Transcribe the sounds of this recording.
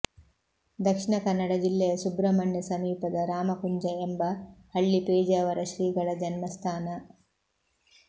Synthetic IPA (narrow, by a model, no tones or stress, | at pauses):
d̪ɐkʂiɳɐkɐnːɐɽɐd͡ʒilːɛjɐsubɾɐmɐɳjɐsɐmiːpɐd̪ɐɾaːmɐkuɲd͡ʒɐembɐhɐɭːipeːd͡ʒɐɐʋɐɾɐʃɾiːɡɐɭɐd͡ʒɐnmɐst̪ʰaːnɐ